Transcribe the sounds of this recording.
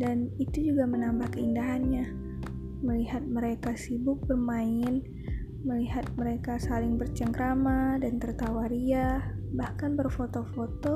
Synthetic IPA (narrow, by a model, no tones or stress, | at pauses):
danit̪ud͡ʒuɡamənambahkəindaɦanɲa | məliɦat̪̚məɾekasibʊk̚bərmaɪn | məliɦat̪̚məɾekasalɪŋbərt͡ʃəŋkɾamadant̪ərt̪awaɾiabahkanbərfot̪ofot̪o